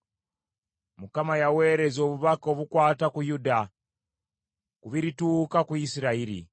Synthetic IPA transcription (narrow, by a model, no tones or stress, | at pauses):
mukamajawe̞ːɾe̞zo̞ːβuβako̞βukwaːtakujuda | kuβiɾituːkakuisiɾaiɾḭ